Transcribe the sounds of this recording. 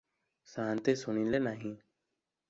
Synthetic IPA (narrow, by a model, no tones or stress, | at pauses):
saːnt̪eːsʊnĩːnleːnaːɦĩː